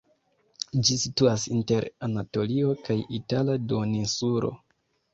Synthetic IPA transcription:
d͡ʒisituasinte̞ɾanato̞liokajitaladonisuɾo̞̰

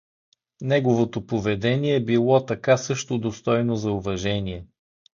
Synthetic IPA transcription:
nɛɡovot̪opovɛd̪ɛniɛːbilˠɔt̪ɐkasɤʃt̪od̪ost̪ɔjnozɐuvɐʒɛniɛ

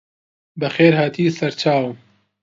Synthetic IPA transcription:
bɐxeːɾhaːt̪ʰiːsɐɾt͡ʃʰaːw

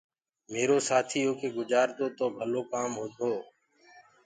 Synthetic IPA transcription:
meːɾoːsaːt̪ʰiːɦoːkeːɡʊd͡ʒaːɾt̪oːt̪oːbʱəloːkaːmɦoːt̪oː

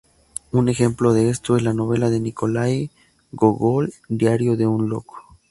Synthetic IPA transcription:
une̞xe̞mplo̞ðe̞est̪o̞ezlanoβe̞laðe̞niko̞laj | ɡoɣold̪jaɾjo̞ðe̞unlo̰ko̥

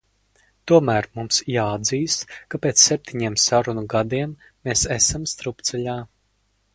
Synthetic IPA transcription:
t̪uɔmæːɾmumsjaːad̪ziːskapʲeːt̪sːep̚ʲt̪ʰiɲiɛmsaɾunuɡad̪iɛmː | eːsɛsamst̪ɾupt̪sɛlʲaː

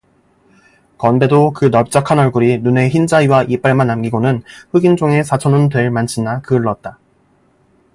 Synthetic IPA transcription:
kʌnbe̞dokɯnʌp̚t͡ɕ͈akʰanʌɭɡuɾinune̞çind͡ʑaiwaʔip͈aɭmanːamɡiɡonɯnɸɯɡind͡ʑoŋe̞sʰat͡ɕʰʌnɯntwe̞ɭmant͡ɕʰinːakɯɭːʌt̚t͈a

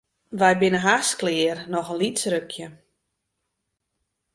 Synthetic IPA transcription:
ʋɛjbɪnəɦasklɪːrnɔxənlitsrøkʰjə

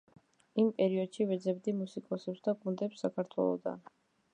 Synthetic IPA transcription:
impʼɛɾiɔd̪̥ʃivɛd̪zɛbd̪imusikʼɔsɛpsd̪akʼund̪ɛpsːakʰaɾt̪ʰwɛ̰lˠɔ̰d̪a̰n

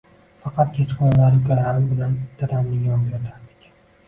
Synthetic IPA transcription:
fɑqɑt̪̚kʰʲet͡ʃqɒnlaɾkʲʰoɾaɾɪmbɪland̪̥aɾamnɪjɒpjat̪ʰaɾd̪ɪ̥kʲ

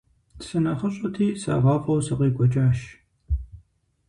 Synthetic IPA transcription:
sɨnɐχɐɕʼɐtʰiːsa̰ːvaːpʼɐwsɐqʼiːɡʷɔt͡ʃʼaːʃ

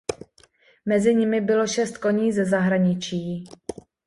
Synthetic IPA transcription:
mɛzɪɲɪmɪbɪlo̞ʃɛst̪̚ko̞ɲiːzɛzaɦɾaɲɪt͡ʃiː

